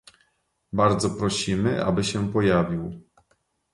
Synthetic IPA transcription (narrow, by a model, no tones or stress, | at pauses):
baɾd̪zɔpɾɔɕimɘʔa̰bɘɕɛpɔjavʲiw